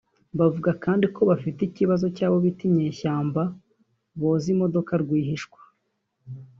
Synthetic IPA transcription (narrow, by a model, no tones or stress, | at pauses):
βavuɡakaːndiko̞βafiticiβazo̞caːβo̞βitimɲeːçaːmba | βoːzimo̞do̞kaɾɡwiːhiʃkwḁ